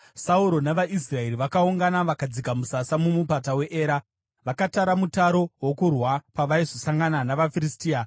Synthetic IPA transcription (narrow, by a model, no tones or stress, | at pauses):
sauɾo̞naʋaʔis̬rae̞ɾiʋakauŋɡanaʋakad͡zikamusasamumupatawe̞ʔeːɾa | ʋakataɾamutaɾo̞wokurwapaʋaiʐo̞saŋɡananaʋafiristiːa